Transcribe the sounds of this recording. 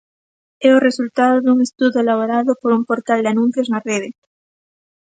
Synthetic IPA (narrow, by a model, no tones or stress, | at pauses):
eoresult̪aðoðuŋest̪uðoelaβoɾaðopoɾumpoɾt̪ald̪eanũn̟θjoznareðe